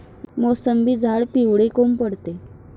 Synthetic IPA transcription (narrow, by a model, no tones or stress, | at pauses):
mosəmbʱiːd͡zʱaɭpiwɽekompəɽt̪e